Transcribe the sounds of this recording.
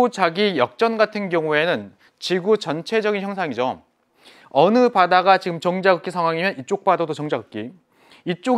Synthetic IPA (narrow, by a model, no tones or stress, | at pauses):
ut͡ɕaɡijʌk̚t͡ɕ͈ʌnɡatʰɯnkjʌŋue̞nɯn | t͡ɕiɡut͡ɕʌnt͡ɕʰe̞d͡ʑʌɡinçjʌŋsʰaŋid͡ʑo | ʌnɯpadaɡat͡ɕiɡɯmt͡ɕʌŋd͡ʑaɡɯk͈ːisʰaŋɦwaŋimjʌnit͡ɕ͈ok̚p͈adʌdot͡ɕʌŋd͡ʑaɡɯk͈i | it͡ɕ͈o